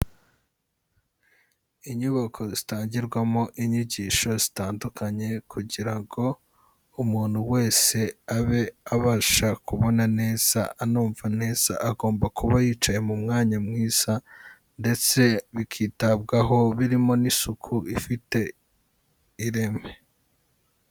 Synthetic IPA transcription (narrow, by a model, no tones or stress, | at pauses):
iɲuβakʰo̞zitaːɲɟiɾɡwamo̞ʔiɲiɟiːʃo̞zitaːndukʰaɲe̞kʰuɟiɾaŋɡo̞ | umuːn̥huwe̞ːse̞aβe̞aβaʃakuβo̞nane̞ːz̥a̰anuːɱvane̞ːz̥a̰ʔaɡo̞ːmbakuβajiːt͡ʃaje̞mumŋaːɲamŋiːz̥a | nde̞t͡se̞βikʰiːtab̚ɡaɦo̞βiɾimo̞nisukʰuʔifite̞ | iɾe̞me̞